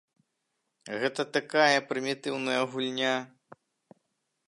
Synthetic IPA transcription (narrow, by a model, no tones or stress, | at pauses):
ɣɛt̪ɐt̪akajɐpɾɨmʲit̪ɨwnɐjɐɣulʲnʲa